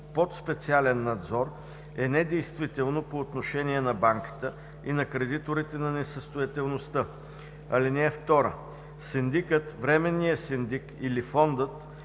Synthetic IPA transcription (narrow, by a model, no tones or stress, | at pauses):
pot̪spɛt̪sialɛnːɐd̪zɔɾ | ɛnɛd̪ɛjst̪vit̪ɛlˠnopoːt̪noʃɛniɛnɐbaŋkə̥t̪ə | inɐkɾɛd̪it̪oɾit̪ɛnɐnɛsəst̪ojɐt̪ɛlˠnost̪ə | ɐlinɛːft̪ɔɾə̰ | sɛnd̪ikət̪vɾɛmɛnːiəsɛnd̪ikilifɔnd̪ət̪